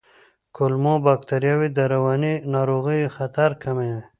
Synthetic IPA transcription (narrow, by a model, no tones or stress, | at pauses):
kʰʊlmobakt̪aɾjawid̪aɾawɑninɑːɾoɣijxat̪aɾkʰame